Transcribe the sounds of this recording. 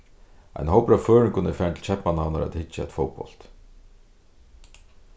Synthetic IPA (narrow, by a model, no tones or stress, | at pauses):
a̰jnɦowpɾaføːɹɪnkʰʊnɛɾfæːnt̪ʰɪlt͡ʃʰɛpmananaɾa̰t̪hɪt͡ʃːaɛ̰t̪fowpɔ̰lt̪